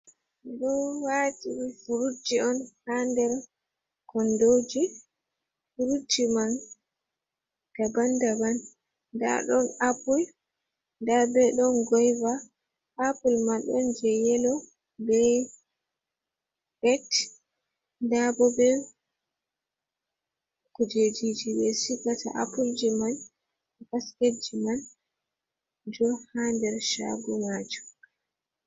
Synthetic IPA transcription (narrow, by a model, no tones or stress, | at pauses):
dɔwatiwifuɾutːiɔnhandɛɾ | kɔndod͡ʒi | fuɾutːiman | d̥abandaban | da̰ɗɔnapul | ndabɛɗɔnɡɔjva | hapulmaɗɔnd͡ʒɛjɛlɔ | bɛ | ʔɛt | ndabɔbɛ | kud͡ʒed͡ʒid͡ʒibɛsikata̰ʔapuld͡ʒiman | kasked͡ʒiman | d͡ʒɔhandɛɾʃa̰ɡunad͡ʒu